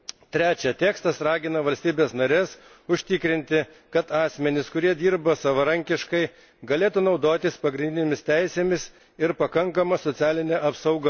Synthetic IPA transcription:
t̪ʲɾʲæːt͡ʃʲɛt̪ʲæːkst̪ɐsɾɑːɡʲɪnɐʋɐlʲsʲt̪ʲiːbʲeːsnɐɾʲeːs | ʊʃʲt̪ʲɪkɾʲɪnʲt̪ʲɪ | kɐt̪ɑːsʲmʲɛnʲɪskʊɾʲiɛd̪ʲiːɾbɐsɐʋɐɾɐŋʲkʲɪʃkɐɪ | ɡɐlʲeːt̪unɒʊd̪oːt̪ʲɪspɐɡɾʲɪnd̪ʲɪneːmʲɪsʲt̪ʲɛɪsʲeːmʲɪs | ɪɾpɐkɐŋkɐmɐsot̪sʲæːlʲɪnʲɛʔɐpsɐʊɡɐ

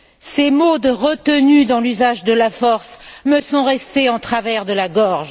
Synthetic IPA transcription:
semod̪əʁət̪ənyd̪ɑ̃lyzaʒd̪əlafɔʁsməsɔ̃ʁɛst̪eɑ̃t̪χavɛʁd̪əlaɡɔʁʒ

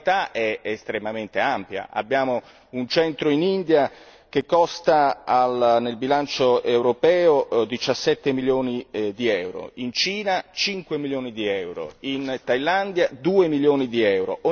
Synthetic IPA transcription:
t̪aɛest̪ɾemament̪eampja̰ʔa̰bːjaːmo | unt͡ʃɛnt̪ɾoinind̪ja | k̟ekːɔst̪aːlnelbilant͡ʃoewɾopɛːod̪it͡ʃasːɛt̪ːemiljoːnid̪iɛwɾo̰int͡ʃiːnat͡ʃiŋkwemiljoːnid̪iɛwɾo̰int̪ajland̪jad̪uːemiljoːnid̪iɛwɾo̰ʔo

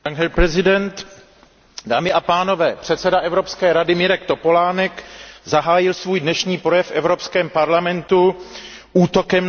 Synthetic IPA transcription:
aŋɦɛlpɾɛzɪdɛnt̪ | daːmɪʔapaːno̞vɛːpr̥ɛt̪sɛdaʔɛvɾopskɛːɾadɪmɪɾɛkt̪o̞po̞laːnɛkzaɦaːjɪlsvuːjdnɛʃɲiːpɾo̞jɛfʔɛvɾo̞pskɛːmpaɾlamɛnt̪u | ʔuːt̪o̞kɛm

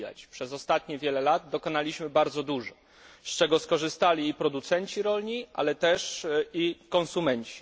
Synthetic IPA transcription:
a̰t͡ɕpʂɛzɔst̪at̪ɲɛvʲjɛlɛlad̪̚d̪ɔkɔn̪alʲiɕmɘbaɾd̪zɔd̪uʐɔ | st͡ʂɛɡɔskɔʐɘst̪alʲiːpɾɔd̪ut̪sɛɲt͡ɕiɾɔlʲɲiʔa̰lɛt̪ɛʂikɔ̃nsumɛɲt͡ɕi̥

